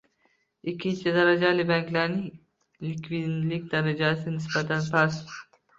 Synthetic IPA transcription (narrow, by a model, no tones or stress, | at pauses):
ikʲʰːint͡ʃʰɪd̪aɾad͡ʒalɪbaŋkʲʰlaɾnɪŋ | likʲʰvid̪lɪkʲd̪aɾad͡ʒasɪnɪsbat̪ʰanpʰas